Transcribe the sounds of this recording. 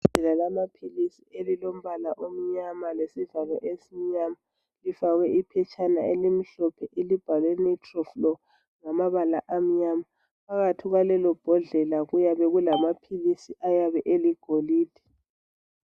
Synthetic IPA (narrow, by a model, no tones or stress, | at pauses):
ɛlalamapʰilisielilom̩βalaʔom̩ɲamalesivalɔʔesim̩ɲama | lifaɣɛipʰɛt͡ʃʰʼanaelim̩ɬɔpʰɛʔelib̥ʱalwenitʰʼrɔflɔ | ŋamaβalaʔam̩ɲama | pʰaɣatʰiɣwalɛlɔb̥ʱɔɮɛlaɣujaβɛɣulamapʰilisiʔajaβɛʔeliɡ̥ʱoliːd̥ʱi̥